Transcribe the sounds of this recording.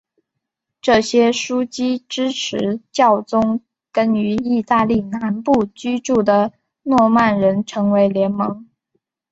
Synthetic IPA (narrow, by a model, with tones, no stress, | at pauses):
ʈ͡ʂɤ˥˩ɕjɛ˥ʂu˥t͡ɕi˥ʈ͡ʂɻ̩˥ʈ͡ʂʰɻ̩˧˥t͡ɕjɑ˥˩ʊt͡sʊ˥ŋ | kə˥ny˧˥i˥˧t̪a˥˧li˥˩na˧˥npu˥˩t͡ɕy˥ʈ͡ʂu˥˩d̪ə˩ | nwɔ˥˧ma˥˩nɻə˧˥nʈ͡ʂʰɤ˧˥ŋwe˧˥ɪljɛ˧˥nmɤ˧˥ŋ